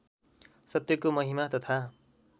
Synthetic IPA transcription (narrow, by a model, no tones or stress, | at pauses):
sʌt̪jʌkomʌɦimat̪ʌt̪ʰa